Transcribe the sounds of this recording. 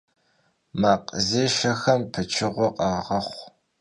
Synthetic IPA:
maːqzeːʃɐxɐmpʰɨt͡ʃʰɪʁʷɔqʼɑːʁɐχʷ

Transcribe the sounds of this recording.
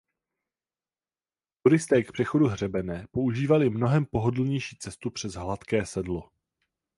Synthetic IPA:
t̪uɾɪst̪ɛːkpr̝̥ɛxo̞duɦr̝ɛbɛnɛːpo̞uʒiːvalɪmno̞ɦɛmpo̞ɦodl̩ɲɛjʃiːt͡sɛst̪upr̝̥ɛzɦlat̪kɛːsɛdlo̞

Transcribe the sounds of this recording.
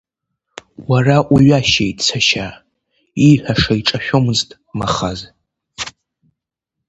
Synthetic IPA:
waraʔʷuɥaʃejtʼt͡sʰaʃa | iħʷᶣaʂaiʈ͡ʂʼaʃᶣomɨztʼ | maχaz

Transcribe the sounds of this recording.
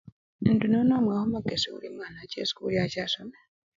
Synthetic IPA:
ndunɔnɔmwahɔmaɡeseṵɾimanat͡ʃḛskujat͡ʃasɔmɛ

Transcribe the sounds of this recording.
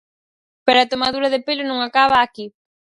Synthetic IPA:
peɾoat̪omaðuɾɐðɪpelʊnõŋakaβaːki

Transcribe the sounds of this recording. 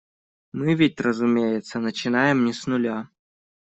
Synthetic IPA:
mɨvʲɪtʲrəzʊmʲejɪt̪sənət͡ɕɪnajɪmnʲɪsnʊlʲa

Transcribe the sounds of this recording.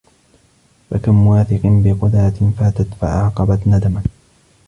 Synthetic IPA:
fa̰kamːʊwaːθɪqɨnbɪqʊd̪at̪ɪfaːt̪at̪fa̰ʕɑːqɑbat̪nad̪aman

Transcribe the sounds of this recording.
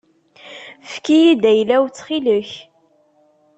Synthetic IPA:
fkijid̪æjlæwt͡sːχiləç

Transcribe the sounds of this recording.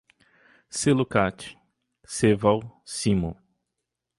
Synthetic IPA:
selukat͡ʃi̥ | sevawsimo

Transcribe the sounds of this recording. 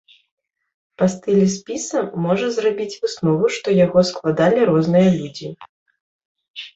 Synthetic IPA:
pɐst̪ɨlʲispʲisɐmɔʐɐzrabʲit͡sʲvɨsnɔvuʂt̪ɔjaɣɔsklˠad̪alʲiɾɔznɨjɐlʲud͡zʲi

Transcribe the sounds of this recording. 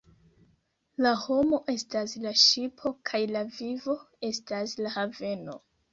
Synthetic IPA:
laho̞mo̞ʔe̞staslaʃipʰo̞kʰajlavivo̞ | e̞staslahave̞no̞

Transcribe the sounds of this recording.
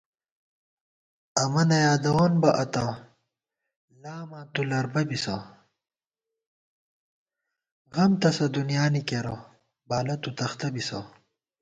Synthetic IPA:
ɐmɐnɐjaːd̪ɐwoːnbɐʔɐt̪aː | laːmaːt̪ulɐɾbɐbisɐ̰ː | ɣɐmt̪ɐsɐd̪unijaːnikeɾo | baːlɐt̪ut̪ɐxt̪ɐbisɐ̰

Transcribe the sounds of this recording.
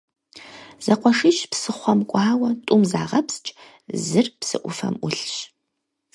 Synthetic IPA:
z̥ɐqʷɔʂɪʃpsɨχʷɔmkʷʼɑːwɐtʼʊmzaːʁɐpst͡ʃʼ | zɨrpsɨ̰ʔʷʊfɐ̰mʷʊɬɕ

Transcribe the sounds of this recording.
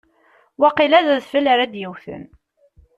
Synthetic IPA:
wɑqilæðæðfəlaɾad̪jəwθə̰n

